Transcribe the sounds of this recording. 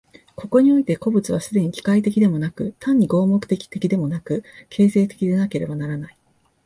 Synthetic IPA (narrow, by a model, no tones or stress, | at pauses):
ko̞ko̞ɲ̟io̞it̪e̞ko̞bɯ̟t͡sɨβ̞asɨd̪e̞ɲ̟ikʲi̥kait̪̬e̞kʲid̪e̞mo̞nakɯ̟t̪ʰãɲ̟ːiɡo̞ːmo̞kɯ̟̥t̪e̞kʲi̥t̪e̞kʲid̪e̞mo̞nakɯ̟kʰe̞ːse̞ːt̪e̞̥kʲid̪e̞nake̞ɾe̞banaɾanai